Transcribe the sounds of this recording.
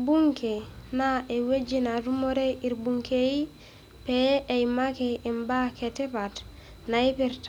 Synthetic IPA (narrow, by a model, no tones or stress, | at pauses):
buŋkenaʔewed͡ʒinaɾumoɾeiɾbuŋkei | peejmakeimbaketepat | naipiɾt